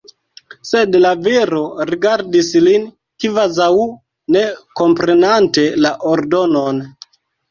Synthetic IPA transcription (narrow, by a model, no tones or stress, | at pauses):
se̞dlaveɾoɾiɡaɾdislin | kivazau | ne̞ko̞mpɾe̞nante̞laʔoɾdo̞non